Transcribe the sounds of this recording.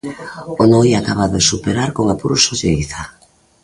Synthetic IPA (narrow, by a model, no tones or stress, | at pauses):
onojakaβaðoðesupeɾaɾkoŋapuɾosoʎeiθa